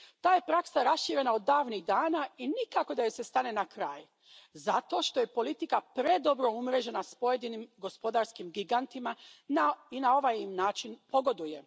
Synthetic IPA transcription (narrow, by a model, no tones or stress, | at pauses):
t̪aːje̞pɾaksaɾasʃiːɾe̞naod̪ːaːʋniɣd̪aːnainikako̞d̪ajesest̪ane̞nakɾaːj | zat̪o̞ːʃt̪o̞je̞po̞lit̪ikapɾe̞d̪o̞bɾo̞umɾe̞d͡ʒe̞naspo̞je̞d̪inimɡo̞spo̞d̪aɾskimɡiɡant̪imanainao̞ʋajimnaːt͡ʃinpo̞ɡo̞d̪uje̞